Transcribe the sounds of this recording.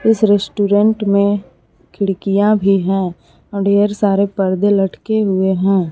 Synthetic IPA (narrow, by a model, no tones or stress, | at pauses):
ɪsɾesʈuːɾə̃ɳʈmẽ | kʰɪɽkijãbʱiɦɛ̃ː | ɔːɖeːəɾsaːɾepəɾd̪ʱelɐʈkeɦʊeɦɛ̃ː